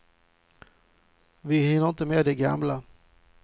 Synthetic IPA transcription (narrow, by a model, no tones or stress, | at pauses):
vɪhɪnːəʁɪnt̪əmeːd̪ɛɡa̰mla